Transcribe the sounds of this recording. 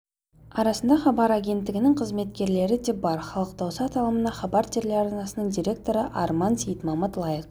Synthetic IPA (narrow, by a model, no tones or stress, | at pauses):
ɑɾɑsənd̪ɑχɑbɑɾaɡʲe̞nt̪ːɪɡʲɪnɪŋqʰəzme̞t̪̚kʲe̞ɾle̞ɾɪd̪ebɑɾχɑlˠəq̚d̪ɑwsɑt̪ʰɑlˠəmənɑχɑbɑɾt̪ʰeɾleɾɑɾnɑsənəɴd̪ʲiɾʲe̞k̚t̪o̞ɾəʔɑɾmɑnsʲejt̪mɑmət̪lˠɑjəq